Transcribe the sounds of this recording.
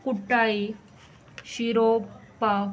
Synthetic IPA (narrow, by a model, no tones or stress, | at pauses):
kuʈːai | ɕiɾopa